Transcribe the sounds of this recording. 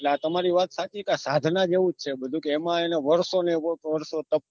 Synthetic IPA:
eleat̪əmaɾiʋat̪sat͡ʃ̪ʰikasad̪ʱnad͡ʒeʋũt͡ʃʰebəd̪ʱũkeːmãeneʋəɾsoneoʋəɾsot̪əp

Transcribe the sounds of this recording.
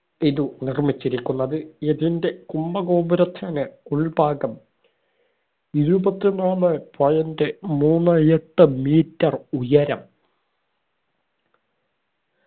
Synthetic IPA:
iðunirmit͡ɕːiɾikʲːunːɐðɨeðinde̞kumbɐɡoːbɐɾɐt̪ʰːɐnɨuɭbaːɡɐm | iɾubɐt̪ːinaːɭɨpɐjɐndemuːnːɨɐjeʈːɨmiːtːɐrujɐɾɐm

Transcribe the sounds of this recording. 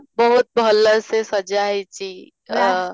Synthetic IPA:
bəɦut̪̚bəlːəɾsesəd͡ʒaɦɛt͡ʃi

